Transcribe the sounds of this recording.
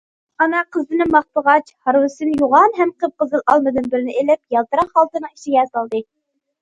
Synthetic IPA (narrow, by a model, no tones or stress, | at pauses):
ɑnɑqʰəzɨnɨmɑχt̪əʁɑt͡ʃhɑɾwɨsɨnjuʁɑnɦɛmqəp̚qəzɨlˠʔɑlˠmɨd̪ɨnbɪɾnɪʔelɪp̚jɑlˠt̪ɨɾɑqːɑlˠt̪ɨnɨŋiʃiɡʲɛsɑlˠd̪ɨ